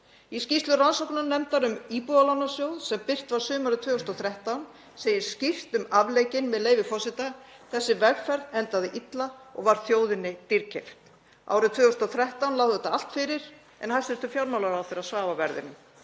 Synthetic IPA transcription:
iscist̪lʏɾansowknanɛmt̪aɾʏmiːpualawnːasjoːwðsɛmpɪr̥t̪vaɾ̥sʏːmaɾʏt̪ʰvʏːʏst̪ɔθɾɛht̪awn | seːjɪɾ̥scir̥t̪ʏmavleːjcɪnmɛðleːjvɪfɔsɪt̪a | θɛsːɪvɛɣfɛɾðɛnt̪aðɪʔit̪laɔ̰ɣvaɾ̥θjoːwðɪnːɪt̪iɾcʰeft̪ | ʔa̰ːwɾʏt̪ʰvʏːʏst̪ɔθɾɛht̪awnlaːwðɛt̪aal̥t̪fɪɾɪɾ̥ | ɛ̰nhasɪst̪ʏfjawɾmawlaɾawθeɾasvaːvavɛɾðɪ̰nɪm

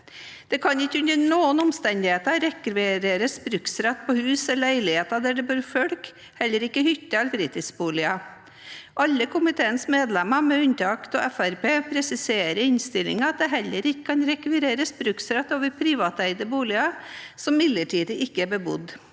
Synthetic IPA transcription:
d̪̥ɛkʰɑnɪkːəʉnəɾnuːənɔmst̪ɛnd̪ɪheːt̪ɑɾɛkɾɾeːɾəspɾʉksɾɛt̪ːpʰɔhʉːsɛlæɪlɪheːt̪ɑd̪æɖɛbøɾfœlk | hɛlːəɾɪkːəhʏt̪ːəɑlbɾiːt̪ɪskbuːlɪɑ | ʔɑlːəkʰʊmɪt̪ʰeːənsmeːd̪lɛmɑmɛʉnt̪ɑɑkt̪ɔ̰ʔɛfæɾpeːpʰɾɛsɪseːɾəɪnst̪ɪlɪ̰ŋɑt̪̚d̪ɛɦɛlːəɾɪkːə̥kʰɑnɾɛkʋɪɾeːɾəsbɾʉksɾɛt̪ːoːʋəɾpʰɾiːʋɑːt̪æɪd̪əbuːlɪɑsɔmːɪd̪ləʈʰiːd̪əʔɪkːəæɾbəbʊ̰d̪

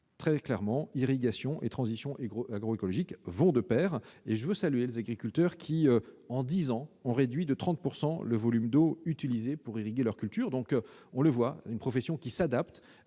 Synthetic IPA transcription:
t̪χɛklɛʁmɑ̃iʁiɡasjɔ̃ʔḛt̪χɑ̃zisjɔ̃aɡʁoekɔlɔʒikvɔ̃d̪əpɛːʁeʒəvøsalyelezaɡʁikʲylt̪œʁkʲʰiɑ̃d̪izɑ̃ɔ̃ʁed̪ɥid̪ət̪χɑ̃t̪̚puʁsɑ̃ləvɔlymd̪oyt̪ilizepuʁiʁiɡʲelœʁkʲylt̪yʁd̪ɔ̃kɔ̃ləvwaynpχɔfesjɔ̃kʲisad̪apt̪

